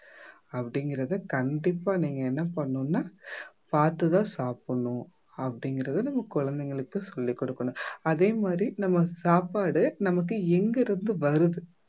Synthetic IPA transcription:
ɐpːɐɽɪŋɡɪɾɐðɯkɐɳɖɪpːaːniːŋɡɐɛnːɐpɐɳːʊnːaːpaːɾt̪ɯt̪ãːsaːpɐɳʊ̃ | ɐpːɐɽɪŋɡɪɾɐðɯnɐmːɐkːʊɻɐnd̪ɐŋɡɐɭɯkːɯsɔlːikːɔɽɯkːɐɳʊ̃ɐðeːmaːd̪ɾinɐmːɐsaːpaːɽɯnɐmɐk̬ːɯɛŋɡɐɾɯnd̪ɯʋɐɾɯðɯ

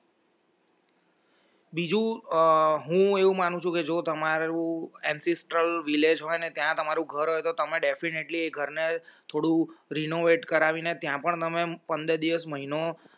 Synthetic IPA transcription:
bid͡ʒũ | ɦũeʋũmanũt͡ʃʰũked͡ʒot̪əmaɾũɛnsesʈɾəlʋiled͡ʒɦojnet̪jãt̪əmaɾũɡʱəɾɦojt̪ot̪əmeɖefineʈlieɡʱəɾnet̪ʰoɽũɾinoʋeʈkəɾaʋinet̪jãpəɳt̪əmepənd̪əd̪iʋəsməɦino

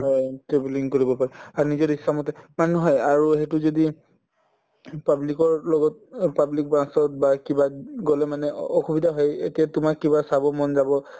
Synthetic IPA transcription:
ɔjtɹebuliŋkoɹibɔpaɹɛaɹnizɔɹisːamɔtɛmanɔɦɔjaɹuɦetuzodi | pablikɔɹlɔɡɔt̚pablik̚bɹãsɔt̚bakibaɡolɛmanɛɔxubidʱaɦɔjḛtijatʊmakːibasabɔmɔnzabɔ

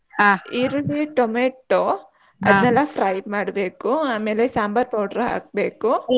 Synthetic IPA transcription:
aiɾuliʈomeʈːo | ɐ̰d̪nɛlːɐpʰɾɐjmaːɽbeːkuaːmeːlesaːmbɐɾpɐwɽɾɐɦa̰ːk̚beːku

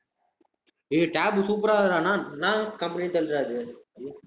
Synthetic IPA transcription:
eːʈaːbsuːp̬ɾaːðɐɾaːnaːnnãːkɐmpɐnit̪ɐlɾaːðɯ

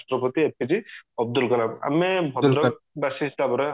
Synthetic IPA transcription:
stɾɔpɔt̪iep̚iziɔb̚d̪ulkɔlaba̰mebʱɔd̪ɾɔk̚basisdabɔɾe

